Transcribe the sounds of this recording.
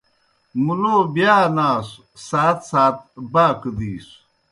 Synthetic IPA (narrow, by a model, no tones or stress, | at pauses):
mulobjaːnaːs | saːt̪saːt̪̚baːkəd̪iːs